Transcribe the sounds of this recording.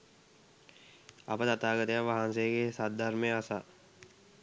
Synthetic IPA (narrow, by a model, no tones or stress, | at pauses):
ɐ̰pət̪ɐt̪aːɡət̪jaʋaɦãnsekesat̪̚d̪aɾmẽasaː